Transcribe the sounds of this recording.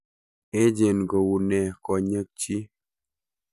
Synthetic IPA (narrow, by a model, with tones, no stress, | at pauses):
e˦d͡ʒe˨nko˨wu˨nɛ˨kɔ˨ɲə˦k̚t͡ʃi˦